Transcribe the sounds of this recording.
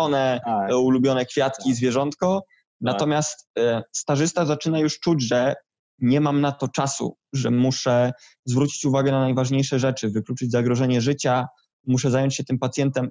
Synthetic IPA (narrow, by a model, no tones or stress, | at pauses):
ɔnɛulubʲjɔnɛkfʲjat̪kʲizvʲjɛʐɔnt̪kɔ | nat̪ɔmʲjast̪st̪aʐɘst̪azat͡ʂɘnajuʂt͡ʂud͡ʑʐɛ | ɲɛmamnat̪ɔt͡ʂasṵ | ʐɛmuʂɛ | zvɾut͡ɕi̥t͡ɕuvaɡɛnanajvaʐɲejʂɛʐɛt͡ʂɘvɘklut͡ʂɘd͡ʑzaɡɾɔʐɛɲɛʐɘt͡ɕa | muʂɛzajɔɲt͡ɕɕɛt̪ɘmpat̪sjɛnt̪ɛm